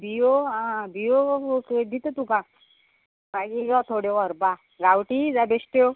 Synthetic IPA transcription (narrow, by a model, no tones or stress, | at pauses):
bʱijoãbijoked̪it̪ət̪ukã | maɡiɡat̪ʰoɽjɔʋɔɾba | ɡawʈid͡zabesʈjo